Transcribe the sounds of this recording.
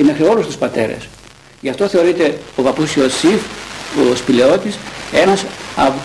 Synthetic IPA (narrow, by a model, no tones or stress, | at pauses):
eme̞xɾio̞lust̪uspɐt̪e̞̰ɾḛs | ʝɐft̪o̞θe̞o̞ɾit̪e̞ovɐpusiosifospile̞o̞t̪ise̞nɐsɐv